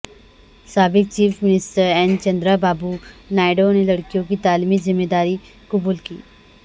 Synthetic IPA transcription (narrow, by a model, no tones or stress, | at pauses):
saːbɪk̚t͡ʃiːfmɪnɪsʈəɾɛ̃ːnt͡ʃɐ̃nd̪ɾabaːbunaːɪɖonelɐɽkijõkit̪aːlimizɪmːeːd̪aːɾi | kʊbuːlkiː